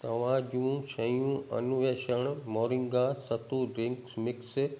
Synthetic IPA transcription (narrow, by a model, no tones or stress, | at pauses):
t̪ɐʋ̤ãd͡ʒũʃɐjũɐ̰nʊʋeːʃəɽ̃moːɾɪ̃ŋɡasɐt̪uɖɾɪ̃ŋksmɪks